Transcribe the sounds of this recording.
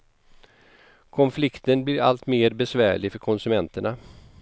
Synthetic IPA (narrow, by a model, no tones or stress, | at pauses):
kʰɔnflɪkt̪ənblɪɾa̰lt̪meːɾbɛsvæːɭɪfœɾkʰɔnsɵmɛnt̪əɳa